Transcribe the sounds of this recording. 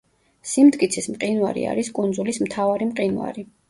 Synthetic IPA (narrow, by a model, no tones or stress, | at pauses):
simd̪kʼit̪sʰismqʼinwaɾḭa̰ɾiskʼund̪zulismt̪ʰavaɾimqʼinwa̰ɾi